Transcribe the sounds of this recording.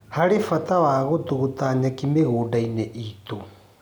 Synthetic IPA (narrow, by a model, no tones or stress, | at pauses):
haɾifatawaːɣot̪uɣotaɲakimeɣoːdainɛʔit̪u